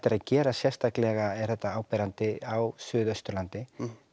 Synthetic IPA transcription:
t̪ːɪɾaðcɛːɾasjɛ̥st̪ʰaklɛɣaɛɾ̥θɛht̪ːaaːwpɛːɾant̪ɪawsʏːðœst̪ʏɾlant̪ɪ

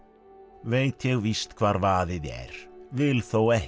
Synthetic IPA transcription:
veːjt̪jɛɣvist̪kʰvaːɾvaːðɪðɛ̰ɾ̥vɪlθowɛh

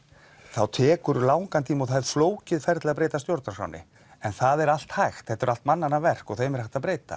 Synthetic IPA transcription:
θawt̪ʰɛːkʏɾlaːwŋkant̪ʰiːmɔɣθaɛɾ̥floːwcɪðfɛɾt̪laðpɾeːjt̪ast̪jowɾt̪nasa̰wnːɪ̰ | ɛnθaðɛɾal̥t̪hajxt̪θɛht̪ʏɾal̥t̪manːanavɛr̥kɔθeːjmɛɾaxt̪aðpɾeːjt̪a̰

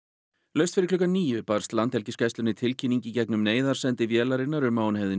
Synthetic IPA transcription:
lœɥst̪fɪɾɪɾkʰlʏkːanniːjʏpaɾ̥st̪lant̪hɛlcɪskajst̪ʏnɪt̪ʰɪlcʰinːiɲcɪicɛknʏmneːjðaɾ̥sɛnt̪ɪvjɛːlaɾɪnːaɾʏmːaːwnhɛvðɪn

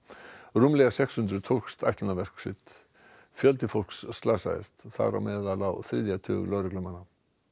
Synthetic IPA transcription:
rumlɛɣasɛkshʏnt̪ɾʏt̪ʰow̥kst̪a̰jht̪lanavɛr̥ksɪ̰t̪ | fjœlt̪ɪfol̥ksːt̪laːsa̰ɪ̰st̪θa̰ɣɾa̰wmɛːðalawθɾɪðjat̪ʰʏ̰ːʏ̰lœːwɾɪklʏmanːa

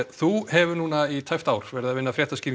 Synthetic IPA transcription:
θuhɛvʏnuːnait̪ʰajft̪aːwɾ̥vɛɾðavɪnːafɾjɛht̪asciːɾ

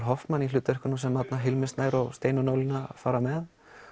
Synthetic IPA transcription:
ɾɦɔft̪manːilʏːt̪ɛrhkʏɾnumsɛmːat̪naɦɪlmɪst̪naːjɾɔɣst̪eːjnʏnoːwlɪnafaːɾamɛð

